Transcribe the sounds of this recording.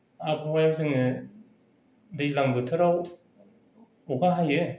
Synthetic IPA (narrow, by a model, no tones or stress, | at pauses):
abowajaŋsɯŋnɯ | dɯd͡ʑilaŋbɯtʰɯɾaw | ɔɡaɦajɯ